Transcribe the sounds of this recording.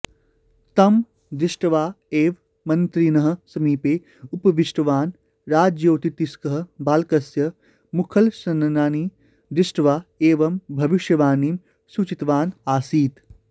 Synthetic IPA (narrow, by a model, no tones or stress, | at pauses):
t̪ɐm | d̪ɾɪʃʈɐʋaː | eːʋ | mɐnt̪ɾinɐɦɐ̆sɐmiːpeː | upɐʋiʃʈɐʋaːn | ɾaːd͡ʒjoːt̪it̪iskɐɦɐ̆baːlkɐsjɐ | mukʰɐlsɐnɐnaːniː | d̪ɪʃʈɐʋaːeːʋɐmbʱɐʋiʃjɐʋaːniːm | sut͡ʃit̪ʋaːnaːsiːt̪